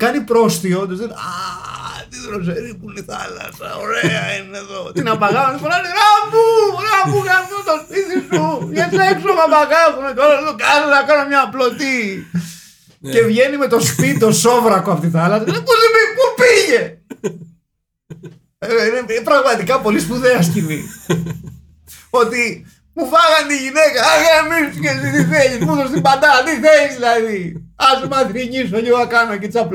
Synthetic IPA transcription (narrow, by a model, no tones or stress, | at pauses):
kɐnipɾo̞st̪iond̪osðenɐ | t̪iðɾos̬eɾipuliθɐlɐ̰sɐ̰oɾeɐineðo̞t̪inɐbɐɣɐuðifonɐniɾapuɾɐbukɐnt̪ot̪ospisisuʝesepsuomɐbaɣɐɣuneceoloðokɐnenɐkɐnomɲɐplot̪i | e̞vʝe̞nime̞t̪o̞spid̪o̞sovɾɐkoɐpot̪iθɐlɐsɐepulipipupiʝe | ineipɾɐɣmɐt̪ikɐpo̞lispuðeɐscimḭ | o̞t̪i | mufɐɣɐnt̪iʝinekɐɣaemisfiʝesit̪iθeʎispuðost̪ibɐd̪ɐt̪iθeʝizðilɐðiɐsumɐkɾiɲisoʎiɣoɐkɐnoecit̪isɐpl